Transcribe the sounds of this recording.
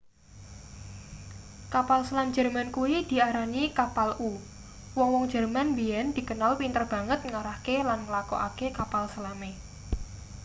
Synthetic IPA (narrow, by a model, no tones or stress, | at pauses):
kapalsəlamd͡ʒɛrmankuid̪̥i̤aɾanikapalu | wɔŋwɔŋd͡ʒɛ̤rmanbiɛnd̪̥i̤kənalpint̪ərb̥a̤ŋət̪̚ŋaɾahkelanməlakɔ̰ʔa̰kekapalsəlame